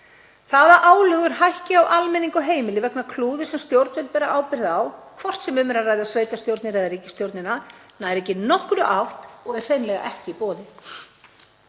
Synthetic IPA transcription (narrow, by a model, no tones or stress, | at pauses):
θaðaʔaːwlœʏɣʏɾ̥ɦajhcɪawʔalmɛniŋkʏɦeːjmɪlɪvɛknakʰluːðɪsɛmst̪jowɾt̪nvɛlt̪̚pɛːɾaʔaːwpɪɾðaawkʰvɔr̥t̪sɛmʏmɛɾarajðasveːjt̪ast̪jowɾt̪nɪɾɛðaɾicɪ̥st̪jowɾt̪nɪnanaðɛɾɛcɪnɔhkɾʏʔawht̪ɔɣɛr̥r̥ejnlɛɣa̰ʔɛhcɪipɔːðɪ